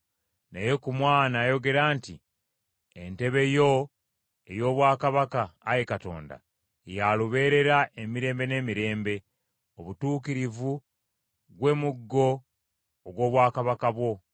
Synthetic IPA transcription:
nejekumwaːnaːjo̞ɡe̞ɾaːnti | ente̞βe̞jo̞ | ejo̞ːβwaːkaβakaːjekato̞̰ːnda̰ | jaluβe̞ːɾe̞ɾaʔemiɾe̞ːmbe̞ne̞ːmiɾe̞ːmbe̞ | o̞βutuːkiɾivu | ɡwe̞ːmuɡːo̞ː | ɡwo̞ːβwaːkaβakaβwo̞

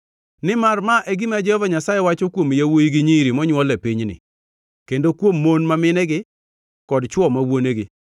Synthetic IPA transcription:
nɪmarmaʔɛɡɪmad͡ʒɔɔvaɲasajɛwat͡ʃokwomjawojiɡɪɲiɾimɔɲwɔlɛpiɲnɪ̰ | kendokwomːonmamɪnɛɡɪ | kɔdt͡ʃwɔmawoneɡɪ

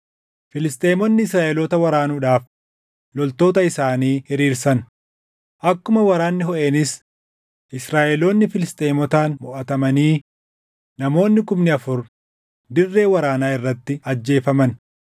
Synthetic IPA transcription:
fɪlɪst̪ʼe̞ːmɔnːɪɪsɾaːʔɛloːt̪ɐwɐɾaːnuːᶑaːf | lɔlt̪o̞ːt̪ɐɪsaːniːhɪɾiːɾsɐn | ʔɐkːʊmɐwɐɾaːnːɪɦɔʔenɪs | ʔɪsɾaːʔɛlo̞ːnːɪfɪlɪst̪ʼe̞ːmɔt̪aːnmʊʔɐt̪ɐmɐniː | nɐmo̞ːnːɪkʊmnɪɐfʊɾ | d̪ɪrːe̞ːwɐɾaːnaːɪrːɐt̪ːɪɐd͡ʒːe̞ːfɐmɐn

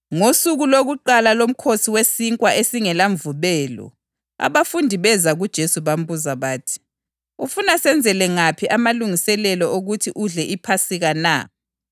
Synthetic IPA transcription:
ŋosuɣuloɣuǃalalom̩kʰosiwesiŋkʼwaʔesiŋɛlaɱvuβɛːlɔ̰ | a̰βafundʱiβɛzaɣud̥ʒ̥ʱesuβam̩buzaβaːtʰi̥ | ufunasɛnd͡zʱɛlɛŋapʰiʔamaluŋisɛlɛlɔʔoɣutʰiʔuɮɛʔipʰasiɣana̰

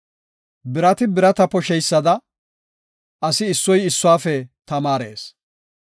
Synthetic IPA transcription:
bɪɾɐt̪ɪbɪɾɐt̪ɐpɔʃɛjsːɐd̪ɐ | ɐsɪːsːɔjɪsːʊwaːfɛt̪ɐmaːɾḛːs

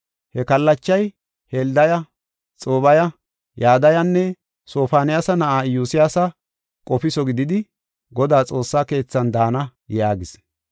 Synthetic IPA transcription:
hɛkɐlːɐt͡ʃːɐj | held̪ɐjɐ | t͡sʼo̞ːβɐjɐ | jaːd̪ɐjɐnːɛ | so̞ːfaːnɪjasɐnɐʔaːjuːsɪjaːsɐ | kʼɔfɪsɔɡɪd̪ɪd̪ɪ | ɡɔd̪aːt͡sʼo̞ːsːaːke̞ːt͡sːɐnd̪aːnɐjaːɡɪs

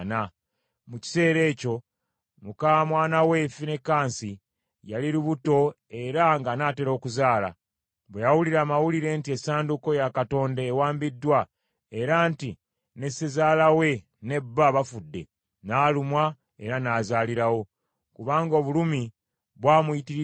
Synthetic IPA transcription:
na | muci̥se̞ːɾe̞ːco̞ | mukamwaːnawe̞ːfine̞kːaːnsi | jaliɾuβuto̞ | e̞ɾaŋɡanaːte̞ɾo̞ːkuzaːla̰ | βwejawuliɾaːmawuliɾe̞ntiesaːnduko̞jakato̞ːndaːwaːmbidːwa | e̞ɾanti | ne̞sezaːlawe̞ | ne̞bːaβafudːe̞̰ | naːlumwa | e̞̰ɾanaːzaːliɾawo̞ | kuβaːŋɡoːβulumi | βwaːmujiti

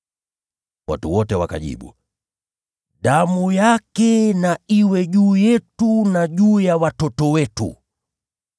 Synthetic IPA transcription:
wa̰tuwɔtɛwaka̰ʄḭɓṵ | ɗamujakɛnaiwɛʄuːjɛtunaʄuːjawatɔtɔwɛtṵ

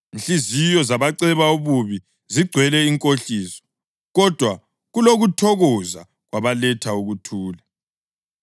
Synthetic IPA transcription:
nɬizijɔzaβaǀɛβauβuβi | ziɡ͡ǀʱwɛlɛiŋkʼoɬiːsɔ̥ | ɣɔd̥ʱwa | ɣuloɣutʰɔɣɔza̰ | ɣwaβalɛtʰauɣutʰuːlɛ

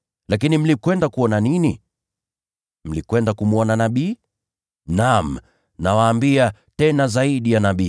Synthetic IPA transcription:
lak̬inim̩likwɛndakuɔnanini | m̩likwɛndakumuɔnanaɓiː | nam̩ | nawaːmbia | tɛnazaiɗijanaɓiː

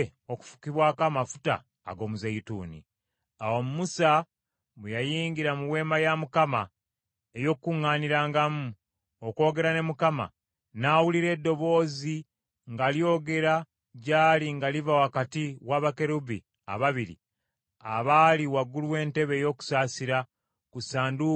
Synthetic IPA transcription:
o̞ku̥fu̥kiβwaːkamafu̥ta̰ː | ɡo̞muzeitṵːnḭ | awo̞mumusa | βujajiːŋɡiɾamuwe̞ːmajamukama̰ | ejo̞kkːuŋːaːniɾaːŋɡamu | oko̞ːɡe̞ɾane̞mukama̰ | naːwuliɾe̞ːdːo̞βo̞ːzi | ŋɡaljo̞ːɡe̞ɾa | ɟaːliŋɡalivawakatiwaːβake̞ɾubi | a̰βaβiɾḭ | a̰βaːliwaɡuluwe̞ːnte̞βe̞ːjo̞ːku̥saːsiɾa | kusaːndu

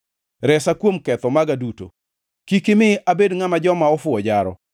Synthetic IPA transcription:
ɾɛsakwomkɛt̪ɔmaɡaduto̰ | kikɪmɪʔabedŋamad͡ʒɔmaɔfʊɔd͡ʒaɾɔ̰

